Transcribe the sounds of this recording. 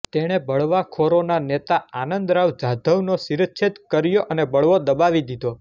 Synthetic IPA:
t̪eɽ̃ebəɭʋakʰoɾonanet̪aanənd̪ɾaʋd͡ʒad̪ʱəʋnosiɾət̪t͡ʃʰit̪kəɾjoʔənebəɭʋod̪əbaʋid̪id̪ʱo

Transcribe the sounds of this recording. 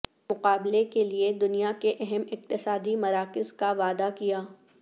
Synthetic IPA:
mʊqaːblekelied̪ʊnijakeʔɛɦɛmɪq̚t̪ɪsaːd̪imɐɾaːkɪzkaʋaːd̪akijaː

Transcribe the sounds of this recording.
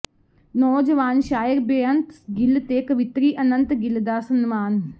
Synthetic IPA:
nɔːd͡ʒəʋaːnʃaːjəɾbeənt̪ɡɪlt̪eːkəʋɪt̪ɾiːʔɐnənt̪ɡɪld̪aːsənmaːn

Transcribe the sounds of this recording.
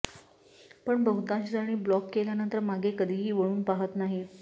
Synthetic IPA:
pəɳbəɦut̪ãɕid͡zaɽ̃iːblɔkːeljanənt̪əɾmaɡʱekəd̪ʱiːɦiːʋəɭ̃uːnpaɦət̪naɦi

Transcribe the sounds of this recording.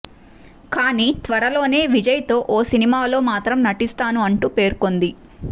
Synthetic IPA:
kaːniːt̪ʋɐɾɐlo̞ːne̞ːʋid͡ʒɐjt̪o̞ːʔoːsinimaːlo̞ːmaːt̪ɾɐmnɐʈist̪aːnuɐɳʈuːpe̞ːɾko̞nd̪i

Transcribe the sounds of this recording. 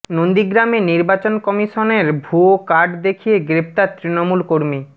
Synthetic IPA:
nond̪iɡɾameniɾbat͡ɕonkɔmiʃoneɾbʱuokaɖd̪ekʰijeɡɾep̚t̪aɾt̪ɾinomulkoɾmi

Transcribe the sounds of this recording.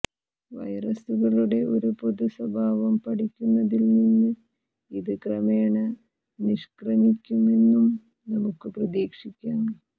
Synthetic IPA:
ʋɐ̰jrɐsuɣɐɭuɽe̞ʔo̞ɾupoðuswɐbʱaːʋɐmpɐʈikʲːunːɐðilninːɨ | iðɨkrɐmeːɳɐ | niʂkrɐmikʲːume̞nːum | nɐmukːɨprɐðiːkʂikʲːaːm

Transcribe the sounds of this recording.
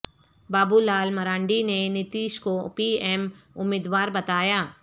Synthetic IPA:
baːbulaːlmɐɾãːɳɖinenɪt̪iːʃkopiːɛːmʊ̰mːɪːd̪ʋaːɾbɐt̪aːjaː

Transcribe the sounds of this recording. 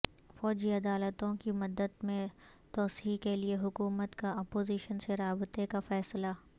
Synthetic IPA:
fɔːd͡ʒiɐd̪aːlət̪õkimʊd̪ːəd̪mẽ | t̪ɔːsiikelieɦʊkuːmət̪kaɔːpoːziʃənseɾaːbɪt̪ekafɛːsla

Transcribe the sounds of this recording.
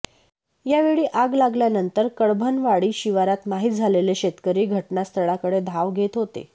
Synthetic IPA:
jaʋeɭiːʔaɡlaɡljanənt̪əɾkəɭbʱənʋaɽiːɕiʋaɾat̪maɦit̪̚d͡zʱaleleɕet̪kəɾiːɡʱəʈnast̪ʰəɭakəɽed̪ʱaʋɡʱet̪ɦot̪ḛ

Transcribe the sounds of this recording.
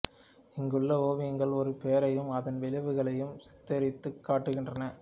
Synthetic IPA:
ɪŋɡɯɭːɐoːʋɪɐŋɡɐɭɔɾɯpejɐɾɐjɯmɐðɐnʋɪlɪʋɯɣɐɭɐjɯmsɐ̥t̪ːɐɾɪt̪ːɯkːaːʈːɯɣɪndrɐnɐ

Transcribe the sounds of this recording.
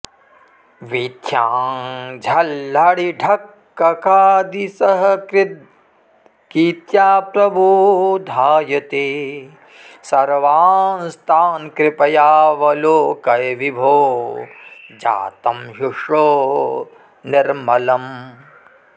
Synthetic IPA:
ʋit̪ʰjaːŋd͡ʒʱɐlːɐɽiɖʱɐkː | ɐkaːd̪isɐɦɐkɾɪd̪ | kit̪jaːpɾɐbʱud̪ʱaːjɐt̪eː | sɐɾʋaːnst̪ʰaːnkɾɪpɐjaːʋɐloːkɐjʋibʱoː | d͡ʒa̰ːt̪ɐmɦuʂoː | niɾmɐlɐm

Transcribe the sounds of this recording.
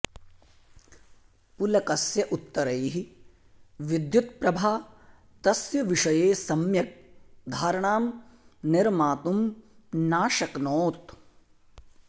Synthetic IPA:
pulɐkɐsjɐʔut̪ːɐɾɐjɦi | ʋid̪jut̪̚pɾɐbʱaː | t̪ɐsjɐʋiʂɐjeːsɐmjɐk̚d̪ʱaːɾɐɳaːmnɪɾmaːt̪umnaːʃɐknoːt̪

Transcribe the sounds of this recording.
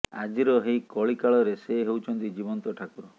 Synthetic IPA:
ad͡ʒiɾɔɦejkɔɭikaɭɔɾeseɦewt͡ʃʰɔnt̪id͡ʒibɔnt̪ɔʈʰakuɾɔ

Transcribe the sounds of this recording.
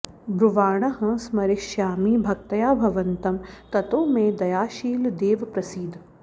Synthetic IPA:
bɾuʋaːɳ̃ɐɦɐ̃smɐɾɪʃjaːmiːbʱɐk̚t̪ɐjaːbʱɐʋɐnt̪ɐmt̪ɐt̪oːmẽd̪ɐjaːʃiːld̪eːʋpɾɐsiːd̪ʱ

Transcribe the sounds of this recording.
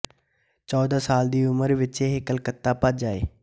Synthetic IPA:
t͡ʃɔːd̪ãːsaːld̪iːʊməɾʋɪt͡ʃeɦkəlkət̪ːaːpət̪̚d͡ʒaːḛː

